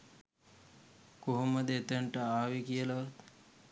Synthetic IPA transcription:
koɦuməd̪et̪əɳʈəaːʋikijəlɐʋat̪

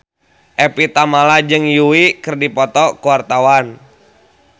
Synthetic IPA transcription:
ʔɛpit̪amalad͡ʒɨŋjuwikɨrdipɔt̪ɔkuwart̪awan

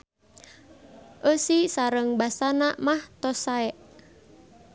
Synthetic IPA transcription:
ʔəsisaɾəŋbasanaʔmaht̪ɔsaɛʔ

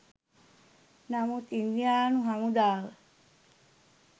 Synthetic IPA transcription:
namut̪ind̪ijaːnuɦamud̪aːʋə

